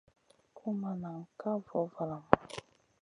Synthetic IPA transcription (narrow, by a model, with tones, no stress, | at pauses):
kʰu˦ma˨na˨ŋ̩˨ka˦vɔ˨˦va˨la˨ma˨